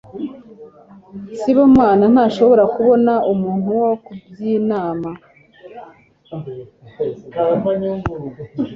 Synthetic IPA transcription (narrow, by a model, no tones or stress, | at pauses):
siβomŋaːnan̥aːʃo̞βo̞ɾakuβo̞naumuːn̥uwokubjiːnaːma | ɲ